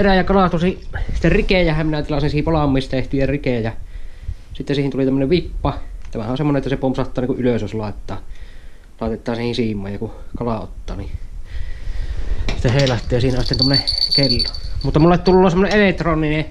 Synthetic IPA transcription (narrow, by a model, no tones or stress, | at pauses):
eræjɑkɑlɑt̪usisi̥t̪ːerrikejæhæmminæt̪ilɑsinsihipɑlɑmːˑiːst̪eht̪ijɑrikejɑ | sit̪ːesiːhinulit̪æmːəneʋʋipːɑt̪æmæhæʔonsemːoneʔet̪ːæsepomsɑht̪ːˑɑːniŋkuʔʔyløsjoˑslɑˑet̪ːˑɑː | lɑˑet̪et̪ːˑɑːsiːhinsiːmːˑoːˑjɑkukɑlɑo̰t̪ːɑ̰ːni | sit̪ːæheˑilɑt̪ːˑiˑjɑsiːnosit̪ent̪omːonekelːomut̪ːɑmulːet̪t̪ulːoːsemːoneʔelet̪ronːˑine